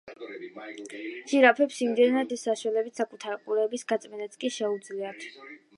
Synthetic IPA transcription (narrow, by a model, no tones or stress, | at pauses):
ʒiɾapʰɛpsimd̪ɛnad̪ɛsːaʃwɛlɛbit̪sakʼut̪ʰaɾiqʼuɾɛːbisɡat̪sʼmɛnɛt̪skʼiʃɛud̪zliat̪ʰ